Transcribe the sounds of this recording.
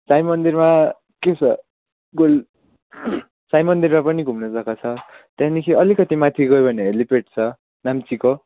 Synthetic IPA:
sajmʌnd̪irma | ket͡sʰʌ | ɡol | sajmʌnd̪irmapʌniɡʱumnʌd͡zakat͡sʰʌt̪jãnikʰiʌlikʌt̪imat̪ʰiɡʌjubʱʌneɦelipeʈ̚t͡sʰʌ | namt͡siko

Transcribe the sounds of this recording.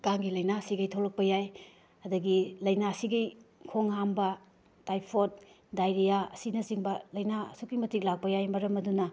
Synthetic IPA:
kaŋɡilɐjnasiɡɐjtʰolɐk̚pɐjaj | ɐdɐɡilɐjnasiɡɐjkʰoŋɦambɐ | tajpʰot̚ | dajɾijaɐsinɐsiŋbɐlɐjnaɐ̰sukimɐtik̚lak̚pɐjajmɐɾɐmɐdunɐ

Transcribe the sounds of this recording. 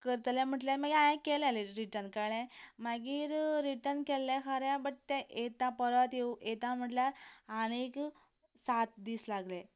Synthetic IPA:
kəɾt̪lẽm̤əʈljaɾm̤aɡiajãkeleleɾiʈəɾnkaɭẽmaɡiːɾɾiʈəɾnkɛlːẽkʰəɾjabəʈ̚t̪ɛ̃ʔet̪ãpəɾət̪euʔet̪am̤əʈljaɾañik | sat̪̚d̪iːslaɡle

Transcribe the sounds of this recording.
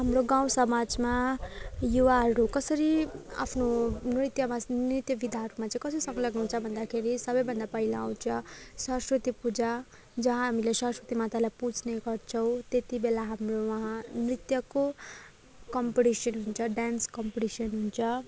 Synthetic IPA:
ɦamroɡaw̃sʌmad͡zma | juwaɦʌɾukʌsʌɾia̰pʰnonrit̪jʌmanrit̪jʌbid̪ʱaɦʌɾumat͡saĩkʌsʌɾisʌ̃ŋɡʌlʌɡnut͡sʰʌbʱʌnd̪akʰeɾisʌbʌjbʱʌnd̪apʌɦilaaw̃t͡sʰʌsʌ̃skrit̪ipud͡za | d͡zʌɦãɦamilesʌ̃skit̪imat̪alajput͡sneɡʌrt͡sʰʌw̃t̪et̪ibelaɦamrowʌɦãmrit̪jʌko | kʌmpʈisjʌnɦunt͡sʰʌɖanskʌmpʈisʌnɦunt͡sʰʌ

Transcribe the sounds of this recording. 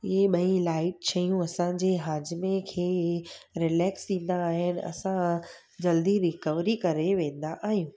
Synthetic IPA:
ɪɦeɓɐĩlaːɪʈ̚t͡ɕʰɐjũɐsãd͡ʑeɦaːd͡ʑmẽkʰeːɾɪlɛːksɗĩːn̆d̪aːɦɪnɪ̆ɐ̰sã | d͡ʑɐld̪iɾɪkəʋɾikɐɾeʋẽːn̆d̪aʔaːɦijũː

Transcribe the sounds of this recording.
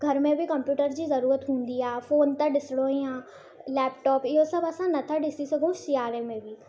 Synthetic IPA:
ɡʱəɾmẽːbikəmpjuːʈəɾd͡ʒiːzəɾuːɾət̪ɦʊ̃ːnd̪iːɛːfʰoːnt̪ãːɖɪsɽõːĩjãː | lɛːp̚ʈɔːpɪosəbəsãːnət̪ʰãɖɪsiːsəɡõːʃiaːɾẽːmẽːbiː

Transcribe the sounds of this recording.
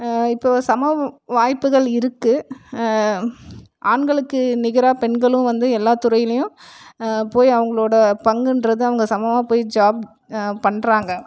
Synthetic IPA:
ɪpːoːsɐmɐʋaːjpːɯɣɐɭɪɾɯkːɯ | ʔaːɳɡɐɭɯkːɯnɪɣɪɾaːpɛɳɡɐɭɯ̃ʋɐnd̪ɯɛlːaːt̪ʊɾɐjɪlɐjʊ̃ | poːjɐʋɐŋɡɐɭoːɽɐpɐŋɡɯndɾɐðɯɐʋɐŋɡɐsɐmɐmaːpoːjd͡ʒaːb̚ | pɐɳːɾaːŋɡɐ

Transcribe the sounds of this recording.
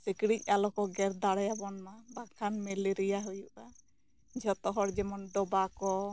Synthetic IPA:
sikɽic̚ˀalɔkɔɡɛɾd̪aɽjabɔnmabakʰanmɛliɾijaɦujuʔa | d͡ʒɔt̪ɔɦɔɾd͡ʒɛmɔnɖɔbakɔ

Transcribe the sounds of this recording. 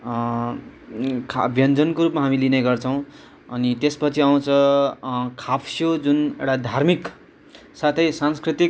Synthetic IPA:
kʰʌbʱjʌnd͡zʌnkoɾupmaɦamilineɡʌrt͡sʰʌw̃ | ʌnit̪espʌt͡sʰiaw̃t͡sʰʌ | kʰapʰsijod͡zunewʈad̪ʱarmik | sat̪ʰʌjsanskrit̪ik

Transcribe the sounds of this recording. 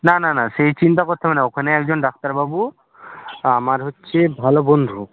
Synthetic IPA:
nananasejt͡ɕint̪akɔɾt̪ʰamaneɔkʰɔneɛkd͡ʒɔnɖak̚ʰt̪aɾbabu | amaɾɦotːʃʰebʱalobond̪ʱu

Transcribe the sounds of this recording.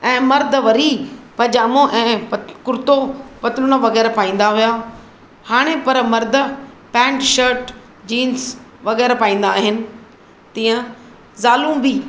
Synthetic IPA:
ɛ̃ːmɐɾd̪ʱəʋɐɾipɐd͡ʑaːmõʔɛ̃ːkʊɾt̪opɐt̪ɪlʊnaʋɐɣɛːɾpaːĩːn̆d̪aɦʊjaː | haːɽ̃epɐɾmɐɾd̪ʱə | pɛ̃ːɳʈʃəɾʈ | d͡ʑiːnsʋɐɣɛːɾpaːĩːnd̪aːɦɪnɪ̆ | t̪iːə̃ | zaːluːmbi

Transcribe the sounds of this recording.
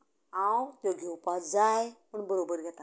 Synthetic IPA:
ãwt̪joɡeupad͡zajpəɳbəɾobəɾɡʱɛt̪a

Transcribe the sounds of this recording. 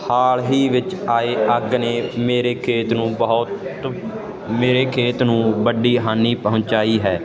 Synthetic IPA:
haːlɦiːʋɪt͡ʃaːeːʔəɡneːmeːɾeːkʰeːt̪nũːbət̪ | meːɾeːkʰeːt̪nũːbəɖiːɦaːniːpəɦʊ̃nt͡ʃaːiːɦɛː

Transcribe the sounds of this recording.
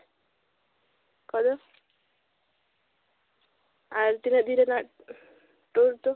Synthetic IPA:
kɔd̪ɔ | aɾt̪inad̪iɾena | ʈoɾt̪u

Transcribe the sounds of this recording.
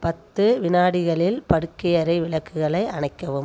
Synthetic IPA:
pɐt̪ːɯʋɪnaːɽɪɣɐɭɪlpɐɽɯkːɪjɐɾɐɪʋɪɭɐkːɯɣɐɭɐɪɐɳɐɪkːɐʋɯm

